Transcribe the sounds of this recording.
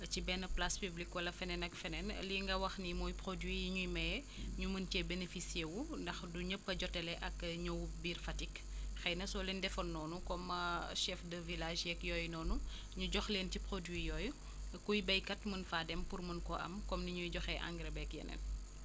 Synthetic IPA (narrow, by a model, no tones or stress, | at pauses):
cibɛnɐplaspyblikwɐlɐfɛnɛnɐkfɛnɛn̰liŋɡɐwɐxnimɔːjpɾodwijiɲujmɛjɛ | ɲuməntɛbenefisiewundɐxduɲəpːɐɟɔtɛlɛʔɐkɲowbiːrfɐtik | xɐjnɐsɔlindɛfɔnːɔːnukɔmɐʃɛfdəvilaːʒjɛkjɔːjnɔːnu | ɲuɟɔxleːntipɾodwijɔːj | kujbɐjkɐtmənfaːdɛmpurmɐnkɔʔɐ̰mkɔmniɲujɟɔxɛʔɐ̰ŋɡɾɐbɛkjɛ̰nɛ̰n